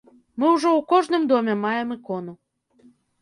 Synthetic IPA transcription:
mɨwʐɔwkɔʐnɨmd̪ɔmʲɛmajɛmɨkɔnu

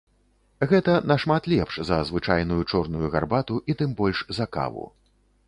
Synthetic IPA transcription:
ɣɛt̪ɐnɐʂmat̪lʲɛpʂzɐzvɨt͡ʂajnujut͡ʂɔrnujuɣa̰rbat̪uʔit̪ɨmbɔlʲʂzɐka̰vṵ

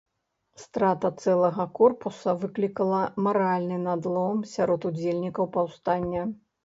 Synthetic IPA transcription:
st̪ɾat̪ɐt̪sɛlˠɐɣɐkɔrpusɐvɨklʲikɐlˠɐmaɾalʲnɨnad̪lˠɔmsʲaɾɔt̪ud͡zʲelʲnʲikɐwpawst̪anʲːɐ

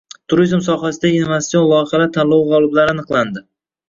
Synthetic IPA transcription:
t̪ʰʊɾizmsɒɦasɪd̪aɡʲnvasijonlˠɒɪχalat̪ʰanlˠɒwʁɒlˠɪblaɾɪanɨqlˠand̪ɪ

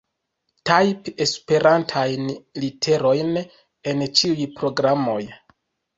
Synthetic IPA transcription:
tajpe̞spe̞ɾʔantʰajnlitʰe̞ɾo̞jn | e̞nt͡ʃiujpɾo̞ɡɾamo̞j

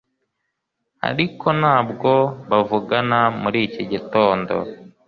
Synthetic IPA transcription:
a̰ɾiko̞naːbɡo̞βavuɡanamuɾiːciɟito̞ːndo̰

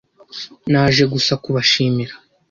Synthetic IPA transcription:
naːʒe̞ɡusakuβaʃiːmiɾḁ

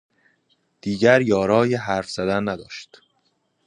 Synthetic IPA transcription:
d̪̥iːɟæɾjɒːɾɒːjeɦæɾfz̥æd̪ænːæd̪ɒːʃt̪

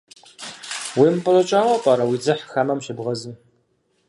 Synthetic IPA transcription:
wimpʼɨlɐt͡ʃʼaːwɐpʼaːɾɐwid͡zɨħxamɐmɕɪbʁɐzɨm

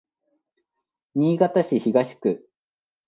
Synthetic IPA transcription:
ɲʲiːɡat̪aɕiçiɡaɕi̥kɯ̟

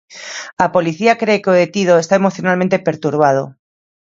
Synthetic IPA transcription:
apo̞liθiakɾeːkeoðet̪iðoest̪ae̞moθjonalmẽnt̪epe̞ɾt̪uɾβ̞að̞o̰

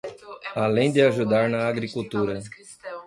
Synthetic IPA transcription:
alẽj̃d̪ɪaʒud̪aɾnɐaɡɾikuwt̪uɾɐ

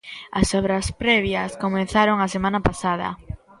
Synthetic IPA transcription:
ɐsɔβɾɐspɾɛβ̞jɐskomẽn̟θaɾoŋasemãnapasað̞ɐ̰

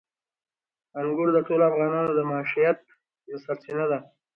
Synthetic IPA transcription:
aŋɡʊɽd̪əʈolafɣɑnɑnod̪əmɑʃijat̪̚ | nasaɾsinad̪a

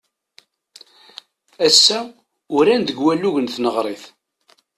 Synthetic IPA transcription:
æsːæ | ʊɾænd̪əɡwælːuʝənθnəʁɾˤeθ

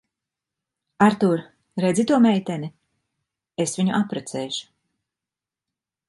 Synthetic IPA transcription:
aɾt̪uɾ | ɾɛd̪zit̪uɔmɛjt̪ɛni | esviɲṵʔapɾɛt̪sɛːʃu̥

